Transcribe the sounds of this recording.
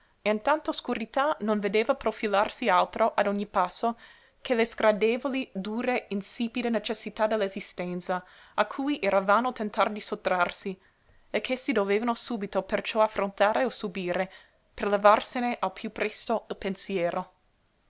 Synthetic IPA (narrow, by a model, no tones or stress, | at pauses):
eint̪ant̪oskuɾit̪anonved̪eːvapɾofilarsialt̪ɾoʔad̪ɔɲːipasːo | kʰelezɡɾad̪eːvolid̪uːɾeinsiːpid̪enet͡ʃesːit̪ad̪elːezist̪ɛnt̪sa | akʰːuːjʔeɾavaːnot̪ent̪ard̪isot̪ːɾarsi | ekʰːesid̪oveːvanosuːbit̪opert͡ʃɔafɾont̪aːɾeosubiːɾe | perlevarseneʔalpʰjupɾɛst̪oilpensjɛːɾʔo